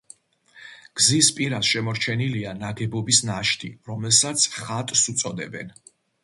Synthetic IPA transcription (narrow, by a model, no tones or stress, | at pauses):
ɡ̥zispʼiɾasʃɛmɔɾt͡ʃʰɛnilianaɡɛbɔbisnaʃt̪ʰʼiɾɔmɛlˠsat̪sʰχat̪ʼsut̪sʼɔd̪ɛbɛ̰n